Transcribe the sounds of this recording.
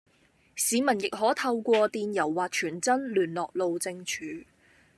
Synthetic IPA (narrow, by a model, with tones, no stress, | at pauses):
siː˨˧mɐ˨˩njɪ˨k̚ɦɔː˨˥t̪ʰɐ˧wkʷɔː˧t̪iː˨˧njɐ˨˩wːaː˨˩t̚t͡ʃʰyː˨˩nt͡sɐ˥nlyː˨˩nlɔː˨k̚lo˨wt͡sɪ˧ŋt͡ʃʰyː˨˧